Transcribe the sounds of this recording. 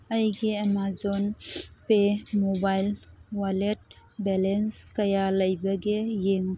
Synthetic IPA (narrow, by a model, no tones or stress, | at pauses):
ɐjɡeemazɔnpemɔbajlwalet̚ | bɛlenskɐjalɐjbɐɡejeŋ